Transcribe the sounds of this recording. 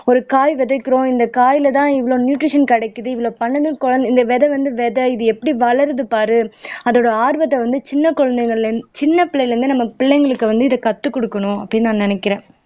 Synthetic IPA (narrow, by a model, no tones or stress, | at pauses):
ɔɾɯkaːjʋɛðɐkːɪɾõːɪnd̪ɐkaːjɪlɐt̪ãːɪʋɐɭõːnjuːʈɾɪʂɐnkɐɽɐɪkːɯðɯɪʋɐɭoːpɐɳːɐðɯnkɔɻɐnd̪ɪnd̪ɐʋɛðɛʋɐnd̪ɯʋɛðɛɪðɯɛpːɐɽiʋɐɭɐɾɐðɯpaːɾɯɐðoːɽɐaːɾbɐt̪ːɐʋɐnd̪ɯt͡ʃɪnːɐkɔɻɐnd̪ɐɪŋɡɐɭt͡ʃɪnːɐpɪɭːɐjlɐɾɯnd̪ɯnɐmːɐpɪɭːɛɪŋɡɐɭɯkːɯʋɐnd̪ɯɪðɐkɐt̪ːɯkːɔɽɯkːɐɳʊ̃ɐpːɐɽinnaːnnɪnɛkːɪɾẽː